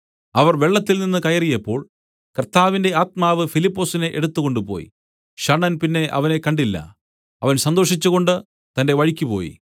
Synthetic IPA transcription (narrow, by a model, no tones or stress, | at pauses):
ɐʋɐrʋeɭːɐt̪ːilninːɨkɐjɐrijɐpːo̞̰ːɭ | kɐrt̪ːaːʋinde̞aːt̪̚maːʋɨfilipːo̞ːsine̞ʔeɽut̪ːuɣo̞ɳɖupo̞̰ːjḭ | ɕɐɳɐnpinːe̞ʔɐ̰ʋɐne̞kɐɳɖilːɐ̰ | ɐʋɐnsɐnd̪o̞ːʂit͡ɕːuɣo̞ɳɖɨ | t̪ɐnde̞ʋɐɻikʲːupo̞ːjḭ